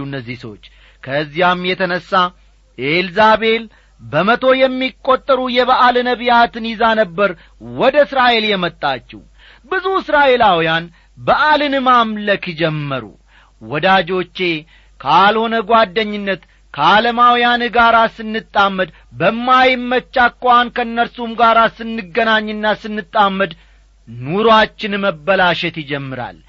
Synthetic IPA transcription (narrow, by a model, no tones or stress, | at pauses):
ɨnːəzːisəwot͡ʃː | kʰəzːihamjɛt̪ʰənəsːa | ʔelzabe̞l | bəmət̪ʰo̞jɛmːikʼːo̞t̪ʼːəɾujɛβəʔalɨnəbijat̪ɨnɪzanəbːəɾ | wɔd̪əɨsɾaʔe̞ljɛmət̪ʼːat͡ʃːɛ̰w | bɨzuɨsɾaʔe̞lawjan | bəʔalɨnɨmamləkid͡ʒɛmːəɾṵ | wɔd̪ad͡ʒo̞t͡ʃːe̞ | kʰəaːlho̞nəɡwad̪ːəɲːɨnːət̪ | kʰəaləmawjanɡaɾasɨnːɨt̪ʼːamːəd̪ | bəmːajmːət͡ʃːakːʼankəɨnːəɾsumɡaɾasɨnːɨɡənaɲːɨnːasɨnːɨt̪ʼːamːəd̪ | nuɾoat͡ʃːɪnməbːəlaʃɛt̪jɪd͡ʒɛmːɨɾa̰l